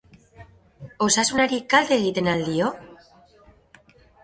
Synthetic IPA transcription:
osasunaɾikald̪e̞ːɣ̞it̪e̞nald̪io

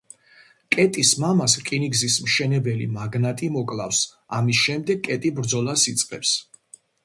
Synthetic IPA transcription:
kʼɛt̪ʼismamaskʼiniɡzismʃɛnɛbɛlḭmaɡnat̪ʼimɔkʼlˠa̰fs | amisʃɛmd̪ɛɡkʼɛt̪ʼibɾd̪zɔlˠasit̪sʼqʼɛps

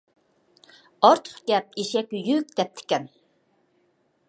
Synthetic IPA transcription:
ɑɾt̪ʰə̥χɡ̥ʲɛp̚iʃɛkʲjyk̚ʲd̪ɛp̚t̪ʰɪ̥kʲɛn

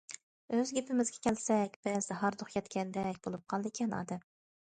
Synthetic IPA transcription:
øzɡʲepʰɪmɪzɡʲɛ̥kʲʰɛlsɛkʲb̥ɛzd̪ɛɦɑɾd̪oχjʰʲɛt̪kʲʰɛnd̪ɛkʲbolˠup̚qʰɑlˠd̪ɪkʲʰɛnɑ̰ːd̪ɛm

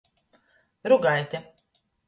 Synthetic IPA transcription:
ɾuɡajt̪ʲɛ

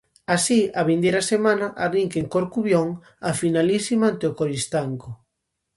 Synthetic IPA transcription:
asiaβind̪ejɾɐsemãnaʔariŋkeŋkoɾkuβjoŋ | afinalisimaant̪eokoɾist̪aŋko

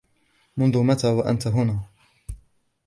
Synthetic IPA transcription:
mʊnðʊmat̪aːwaʔant̪aɦʊnaː

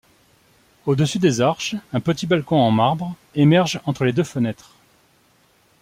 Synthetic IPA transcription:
od̪əsyd̪ezaʁʃɛ̃pət̪ibalkɔ̃ɑ̃maʁbʁ | emɛʁʒɑ̃t̪χəled̪øfənɛt̪χ

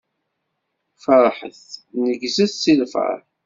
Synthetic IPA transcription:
fəɾˤħə̰θnəɡzæθt͡sːilfə̰ɾ

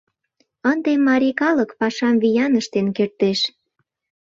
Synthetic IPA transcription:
ənd̪emːɑɾʲikɑləkpɑʃɑmvijɑnəʃt̪enkert̪eʃ

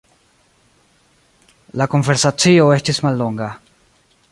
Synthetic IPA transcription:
lakonfeɾsat͡sioest͡ʃesmalːoŋɡa

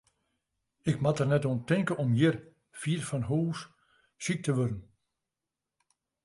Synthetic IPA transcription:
ɪkmatərnɛtontɪŋkəɔmjɪr | fiːrfɔnɦuːs | sik̚təʋødən̩

